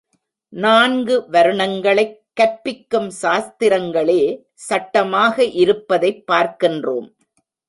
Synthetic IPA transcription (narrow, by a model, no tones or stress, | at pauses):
naːnɡɯʋɐɾɯɳɐŋɡɐɭɐɪkːɐpːɪkːɯmʃaːst̪ɪɾɐŋɡɐɭeː | sɐʈːɐmaːɣɐʔɪɾɯpːɐðɐɪpːaːɾkɪndro̰ːm